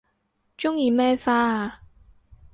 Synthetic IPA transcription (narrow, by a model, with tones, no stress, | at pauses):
t͡ʃʊ˥ŋjiː˨˧mɛː˥faː˥aː˧